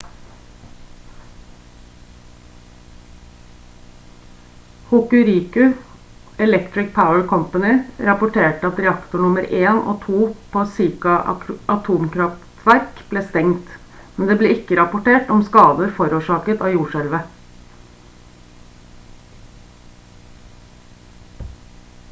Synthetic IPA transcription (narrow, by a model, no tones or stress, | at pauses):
hʊkʉɾiːkʉ | ɛlɛkt̪ɾɪk̚pʰaʊəɹkʰɔmpɑnɪɾɑpʊʈʰeːʈəɑt̪ɾɛɑkt̪ʊɳʊməɾeːno̰ːt̪ʰuːpʰoːsiːkɑɑt̪ʰuːmkʰɾɑftt̪ʰʋæɾkb̥leːst̪ɛŋt̪ | mɛnd̪eːbleːɪkːəɾɑpʊʈeːʈɔmskɑːd̪əɾfɔɾuːʂɑːkət̪ɑːjuːʂæɾʋə